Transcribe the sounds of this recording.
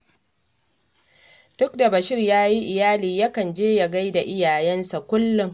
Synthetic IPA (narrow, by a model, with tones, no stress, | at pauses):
d̥ʊ˦kda˨bɐ˨ʃɪ˦rjaː˦ji˦ʔɪ˨jaː˦liː˨jɐ˦kɐ˨nd͡ʒeː˦ja˨ɡa˦jda˨ʔɪ˦jaː˨jɛ˦nsa˨kʷʊ˦lːʊ˨ŋ